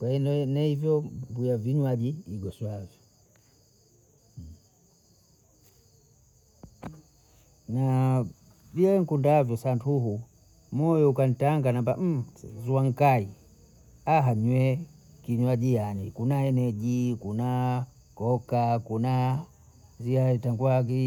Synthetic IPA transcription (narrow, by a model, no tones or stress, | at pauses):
kwainnahivjɔmbujaviɲwaɟiːɡɔswavjɔ | na | viɛɛŋ̩kundavjɔsantʰuɦu | mɔjɔukanitaŋɡanamba̰m̩zuaŋ̩kai | aɦaɲwɛ | kiɲwaɟijanikunaɛnɛɟikuna | kɔkakuna | ziaitaŋɡwaɡi